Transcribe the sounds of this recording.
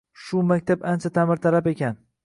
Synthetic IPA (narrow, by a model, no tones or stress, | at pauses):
ʃʊmakʲt̪ʰapant͡ʃʰat̪ʰamɪɾt̪ʰaɾapekʲan